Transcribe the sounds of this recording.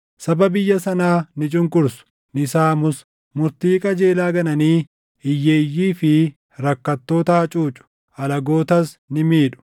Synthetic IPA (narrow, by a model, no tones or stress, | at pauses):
sɐbɐbɪjːɐsɐnaːnɪt͡ʃʼʊŋkʼʊɾsʊ̥ | nɪsaːmʊs | mʊɾt̪iːkʼɐd͡ʒe̞ːlaːɡɐnɐniː | ɪjːeːjːiːfɪ | ɾɐkːɐt̪ːo̞ːt̪ɐhɐt͡ʃʼuːt͡ʃʼʊ̥ | ɐlɐɡo̞ːt̪ɐs | nɪmiːᶑʊ̥